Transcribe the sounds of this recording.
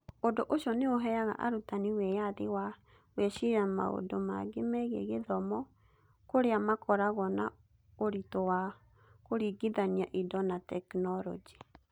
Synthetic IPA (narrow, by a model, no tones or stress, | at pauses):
odoʔoʃjɔneoɦɛaɣa̰ʔa̰ɾutaniwɛjaðewa | weʃiɾama̰o̰doma̰ɡemɛɣḛɣeðɔmɔ | koɾeamakɔɾaɣɔna | oɾitɔwa | koɾiɡiðaniaʔidɔnatɛknɔɾɔ̰d͡ʒi